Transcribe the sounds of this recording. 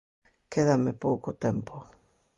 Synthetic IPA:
keðamɪpowkot̪empo

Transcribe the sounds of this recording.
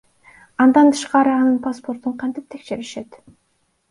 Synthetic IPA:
ɑnd̪ɑnt̪ʰɯ̥ʃqɑɾɯɑnɯnpaspo̞ɾt̪uɴqʰɑnt̪ip̚t̪ʰe̞kʃeɾiʃe̞t̪

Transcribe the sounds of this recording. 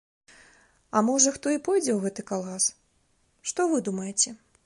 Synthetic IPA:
ɐmɔʐɐxt̪ɔipɔjd͡zʲɛwɣɛt̪ɨkalˠas | ʂt̪ɔvɨd̪umɐjɛt͡sʲɛ

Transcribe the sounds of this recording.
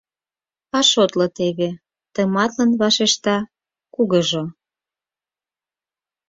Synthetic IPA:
ɑʃot̪lot̪eβe | t̪əmɑt̪lənβɑʃeʃt̪ɑ | kuɣəʒo

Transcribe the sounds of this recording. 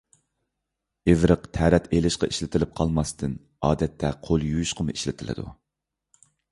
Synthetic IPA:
evɾəqt̪ʰɛɾɛt̪ʰelɪʃqɑiʃlɪt̪ʰɪlɪp̚qʰɑlˠmɑst̪ɨn | ɑːd̪ɛt̪ʰːɛqʰolˠjujuʃqʰəmʊiʃlɪt̪ʰɪlɪ̰d̪ṵ

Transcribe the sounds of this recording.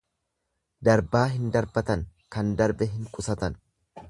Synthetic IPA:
d̪ɐɾbaːɦɪnd̪ɐɾbɐt̪ɐŋkɐnd̪ɐɾbɛɦɪŋkʼʊsɐt̪ɐn

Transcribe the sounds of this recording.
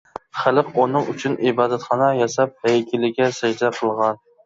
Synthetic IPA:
χɪlˠɨqʊnɨŋyt͡ʃʰynʔibɑːd̪æt̪χɑnɑjɑsɑp̚æjkʲɪlɪɡʲɛsæd͡ʒd̪ɛqʰəlˠʁɑn

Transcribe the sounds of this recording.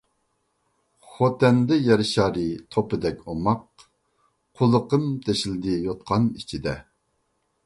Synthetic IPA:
χot̪ɛnd̪ɪjɛɾɪʃɑːɾɨt̪ʰopɨd̪ɛkʲʰomɑq̚ | qʰolˠəqəmd̪ʰeʃild̪ɪjot̪̚qʰɑnit͡ʃʰid̪ɛ

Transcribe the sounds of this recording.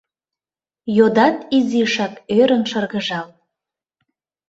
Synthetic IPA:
jod̪ɑt̪iziʃɑkøɾənʃərɣə̆ʒɑl

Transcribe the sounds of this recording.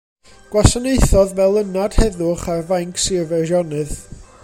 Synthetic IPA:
ɡ̥wasaneɨθɔðvɛlˠənad̥hɛðʊχarvajŋkʰsɪvɛrɔnɨð

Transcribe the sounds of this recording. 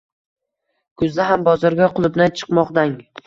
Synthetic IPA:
kʰʊzd̪aɦambɒzɒɾɡʲaqʰʊlˠɪbnant͡ʃʰɨ̥qmɒqd̪aŋ

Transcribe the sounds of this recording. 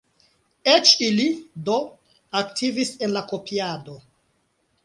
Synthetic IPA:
et͡ʃilido̞ | aktʰivisenlako̞pʰiado

